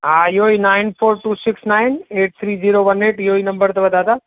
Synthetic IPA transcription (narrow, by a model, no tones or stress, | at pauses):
ɦaːɪɦoinaːɪnfʰoːɾʈuːsɪksnaːɪneːʈ̚t̪ʰɾiːziːɾoːʋɐneːʈɪɦoːinɐ̃mbəɾt̪ɐʋɐd̪aːd̪aː